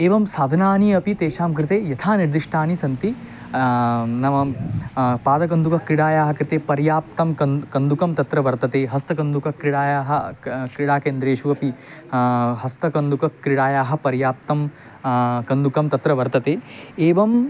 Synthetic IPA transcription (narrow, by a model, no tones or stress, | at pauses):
eːʋɐmsaːd̪ʱɐnaːniɐpit̪eːʃaːmkɾɪt̪eːjɐt̪ʰaːniɾd̪iʂʈʰaːnisɐnt̪i | nɐmɐ | paːd̪ɐkɐnd̪ukɐkɾiɽaːjaːɦɐ̆kɾit̪eːpɐɾjaːp̚t̪ɐmɐkɐnd̪ukɐmt̪ɐt̪ɾɐʋɐɾt̪ɐt̪eːɦɐst̪ɐkɐnd̪ukɐkɾɪɽaːjaːɦɐ̆kɾiɽaːkeːnd̪ɾeːʃuɐpi | ɦɐst̪ɐkɐnd̪ukɐkɾiɽaːjaːɦɐ̆pɐɾjaːp̚t̪ɐm | kɐnd̪ukɐmt̪ɐt̪ɾɐʋɐɾt̪ɐt̪eːeːʋɐm